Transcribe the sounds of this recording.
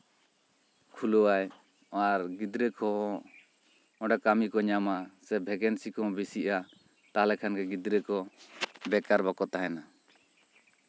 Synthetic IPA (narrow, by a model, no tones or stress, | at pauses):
kʰulɔaj | aɾɡid̪ɾɛkɔɦɔ | ɔ̃ɖakamikɔɲamasɛbʱɛɡɛnsikɔɦɔ̃bisiʔa | t̪aɦalɛkʰankɛɡid̪ɾɛkɔbɛkaɾbakɔt̪aɦɛna